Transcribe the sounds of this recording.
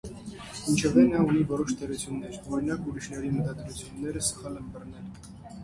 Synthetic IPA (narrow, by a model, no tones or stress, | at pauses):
int͡ʃʰɛvɛnɑunivɔɾɔʃt̪ʰɛɾut͡sʰjunːɛɾɔɾɾinɑkuɾiʃnɛɾimət̪ɑd̪ɾut͡sʰjunːɛɾəsə̥χɑlɛnbərnɛl